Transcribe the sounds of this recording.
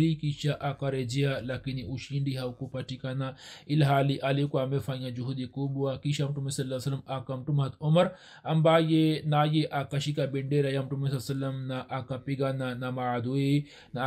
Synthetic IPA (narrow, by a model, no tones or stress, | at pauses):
ɾikiʃaʔakɐɾed͡ʒijalakiniuʃiɳɖiɦɐwkupɐʈikanailɦaːliʔalikuamefajãd͡ʒuɦud̪ikubuakiʃamʈumesɐlːaːsɐlːɐmakɐmʈumɦɐt̪omɐɾ | ɐmbaːjenaːjeʔakɐʃikabiɳɖeɾɐjamʈumes̬ɐsɐlːɐmnaʔakapiɡananamad̪ue | na